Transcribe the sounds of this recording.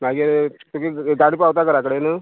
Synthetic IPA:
maɡiɾt̪ukiɡaɽipawt̪akəɾakəɽenə

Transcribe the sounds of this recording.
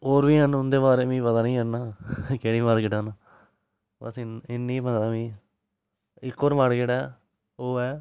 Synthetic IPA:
oːɾbiːɦənʊnd̪eːbaːɾeːmĩːpət̪aːnĩːɦənnaːkeːɽiːmaːɽkɪʈaːna | bə̰sɪɪnːiːpət̪aːmĩː | ɪkːoːɾmaːɽkɪʈɛː | oːɛː

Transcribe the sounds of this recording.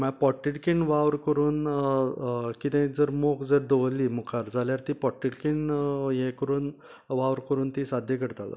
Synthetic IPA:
məpɔʈːiʈkiɳʋaʋɾkəɾuːn | kit̪ẽd͡zəɾmokd͡zəɾd̪oʋlːiːmukʰaɾd͡zaljaɾt̪iːpɔʈːiʈkiɳjẽkəɾuːn | ʋaʋɾkəɾuːnt̪iːsad̪ʱjəkəɾt̪ala̰

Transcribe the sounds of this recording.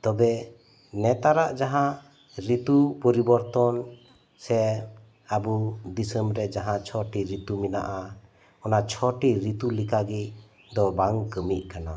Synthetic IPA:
t̪ɔbɛ | nɛt̪aɾaʔd͡ʒaɦã | ɾit̪upɔɾibɔɾt̪ɔn | sɛ | abud̪isəmɾɛd͡ʒaɦãt͡ʃʰɔʈiɾit̪umina̰ʔa | ɔnat͡ʃʰɔʈiɾit̪ulikaɡi | d̪ɔbaŋkəmiʔ̚kana

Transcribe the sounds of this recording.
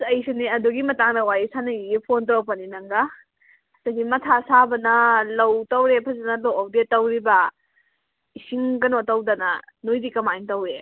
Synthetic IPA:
ɐjsiniɐduɡimɐtaŋdɐwajisanɐjiepʰontawpɐninɐŋɡa | saɡimɐtʰasabɐnɐlɐwtɐwɾepʰɐzanɐlɐwawdetɐwɾibɐ | isiŋɡɐnotɐwdɐnɐ | nojdikɐmajŋtɐwɾe

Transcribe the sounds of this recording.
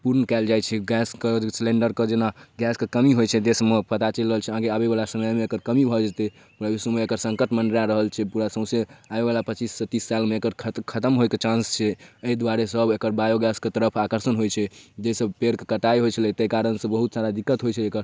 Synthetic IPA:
puɾnəkɛld͡ʒajt͡ʃʰɛɡɛskeslẽɳɖəɾkəd͡ʒenaɡɛskekəmiɦojt͡ʃʰɛd̪esmepət̪at͡ʃəlɾəɦəlt͡ʃʰɛɦãɡeabebalasəməjmeːkəɾkəmibʱɔd͡ʒat̪e | puɾabisomeekəɾsə̃ŋkəʈmənɖɾjãɾəɦəlt͡ʃʰɛpuɾasə̃ʊ̃seabealapət͡ʃisːət̪ːisːalmeekəɾʰkʰət̪əmɦojket͡ʃãnst͡ʃʰɛəid̪waɾesəbʱekəɾbajoɡɛsket̪əɾəpʰakəɾsənɦojt͡ʃʰɛd͡ʒesəbpeɾkekəʈaeɦojt͡ʃʰəlɛt̪əjkaɾənsə̃bəɦut̪saɾad̪ikːət̪ɦojt͡ʃʰɛekəɾ

